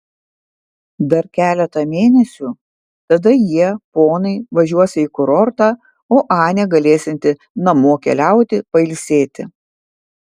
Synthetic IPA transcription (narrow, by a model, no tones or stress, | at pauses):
d̪ɐɾkʲæːlʲɛt̪ɐmʲeːnʲɛsʲu | t̪ɐd̪ɐjiɛpoːnɐɪʋɐʒʲuɔsʲɪɪkʊɾɔɾt̪ɑː | oːʔɑːnʲɛɡɐlʲeːsʲɪnʲt̪ʲɪ | nɐmoːkʲɛ̰lʲæˑʊt̪ʲɪpɐɪlʲsʲeːt̪ʲɪ̰